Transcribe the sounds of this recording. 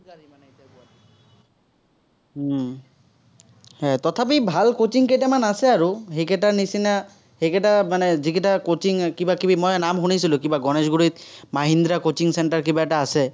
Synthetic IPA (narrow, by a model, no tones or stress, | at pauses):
ɡaɹimanɛetiakua | hɛtɔt̪ʰap̬ibʱalkot͡ʃiŋketamanasɛaɹuɦekɛtanisina | hekɛtamanɛzikɛtakot͡ʃiŋkibakibimɔjnamxunisilʊ̃kibaɡɔnɛzɡuɹit̪̚maɦind̪ɹakot͡ʃiŋsɛntaɹkibaɛtaːsɛ